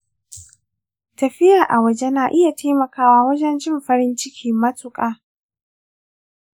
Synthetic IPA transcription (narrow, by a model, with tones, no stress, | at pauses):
tɐ˨ɸɪ˦jaː˨ʔa˨wɐ˦d͡ʒɛ˦naː˨ʔɪ˦ja˨tʰeː˦mɐ˨kaː˦waː˦wɐ˦d͡ʒɛ˦nd͡ʒɪ˦mɸɐ˦ɾɪ˦nt͡ʃɪ˦kʲʰiː˨mːɐ˦tʊ˨kʼaː˦